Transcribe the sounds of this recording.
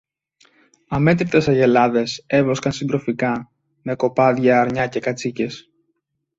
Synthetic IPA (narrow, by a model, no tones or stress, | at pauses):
ɐme̞t̪ɾit̪e̞sɐʝe̞lɐðe̞se̞vo̞skɐnsind̪ɾo̞fikɐ | me̞ko̞pɐðʝɐːɾɲɐce̞kɐt͡sice̞s